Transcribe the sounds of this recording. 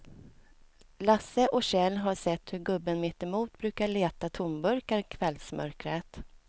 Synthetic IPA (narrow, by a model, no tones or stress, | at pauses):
lasːəʔɔɕɛlɦaʂɛt̪ːhɵɾɡɵbːənmɪt̪ːɛmuːt̪bɾʉ̟ːkaɭeːt̪at̪ʰʊmbɵɾkaɾkʰvɛlsmœ̰ɾkɾet̪